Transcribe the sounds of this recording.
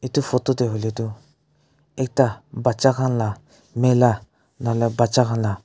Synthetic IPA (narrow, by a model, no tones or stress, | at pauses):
etufototeɦoletu | ek̚tabat͡ʃakãnla | mela | nalɛbat͡ʃakãnla